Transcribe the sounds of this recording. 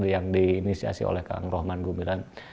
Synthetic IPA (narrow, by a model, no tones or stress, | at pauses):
dijaŋdiːnisia̰sḭo̰lɛhka̰ŋrɔhmanɡumbilan